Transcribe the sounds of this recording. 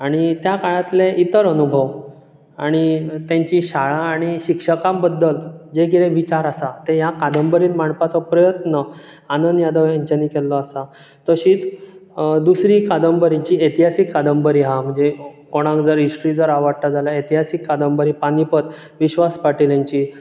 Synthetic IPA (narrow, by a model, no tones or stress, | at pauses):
aɽ̃it̪jakaɭãt̪leʔit̪əɾənubʱəʋ | aɽ̃it̪jãɲt͡ɕiɕaɭaːɽ̃iɕikʂəkãmbəd̪ːəld͡ʑekiɾẽʋit͡ɕaɾasat̪ejakad̪əmbəɾiːnmaɳpat͡sɔpɾəjət̪nə | anənjad̪əʋjaɲt͡ɕaniːkɛlːɔasa | t̪əɕiːt͡s | d̪usɾikad̪əmbəɾit͡ɕiet̪iɦasikːad̪əmbəɾiɦam̤əɳd͡zekoɽ̃ãŋkd͡zəɾiʂʈɾiːd͡zəɾaʋaɽʈ̪ad͡zalaet̪iɦasikːad̪əmbəɾipanipət̪ | ʋiɕʋaspaʈiljaɲt͡ɕi